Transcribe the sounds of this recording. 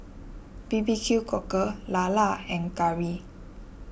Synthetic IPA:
bibikʰjukɔkəlalaɛ̃ŋkaɹi

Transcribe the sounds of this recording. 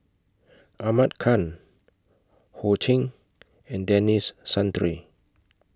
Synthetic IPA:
ʔamat̚kʰãn | hot͡ʃʰĩŋ | ɛ̃ndɛnisːãntɹi

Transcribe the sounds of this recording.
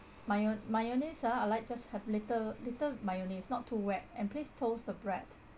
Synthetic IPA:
mamajonisaalaɪt̚d͡ʒashɛvlitəlitəmajonisnɔtʰːuwɛt̚ɛ̃nplistʰosdəbɹɛt

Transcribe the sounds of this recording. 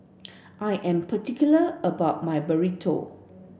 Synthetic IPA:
ʔajʔɛ̃mpʰətikjuləəbaʊt̚majbəɹitʰo̰

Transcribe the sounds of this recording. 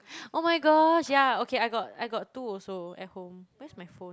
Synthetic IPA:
ʔomajɡɔʃjaokʰeajɡɔt̚ajɡɔttuɔlsoɛ̰t̚hõmwɛsmajfõ

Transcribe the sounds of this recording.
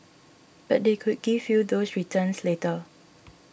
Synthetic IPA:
b̥at̚dekʰud̚ɡivjudosɹitʰə̃nsletə

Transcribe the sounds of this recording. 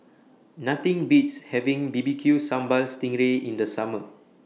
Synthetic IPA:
nat̪ĩŋbitshɛvĩŋbibikʰjusãmbalstĩŋɹeʔĩndəsamə

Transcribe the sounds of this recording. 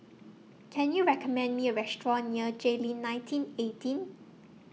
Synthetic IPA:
kʰɛ̃njuɹɛkəmɛ̃ndmiəɹɛstɹɔ̃nːiəd͡ʒelĩnːãj̃ntʰĩnetĩn

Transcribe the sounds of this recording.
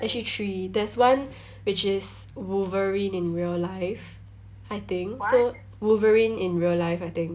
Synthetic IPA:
ʔɛk̚t͡ʃəlitʰɹidɛswãn | wɪt͡ʃɪs | wuvəɹĩnɪ̃nɹiəllaɪf | aɪt̪ɪ̃ŋkso | wuvəɹĩnɪ̃nɹiəllaɪfaɪt̪ɪ̃ŋk

